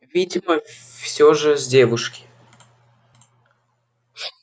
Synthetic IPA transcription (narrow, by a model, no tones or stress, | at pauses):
vʲidʲɪməfsʲoʐɨzʲdʲevʊʂkʲɪ̥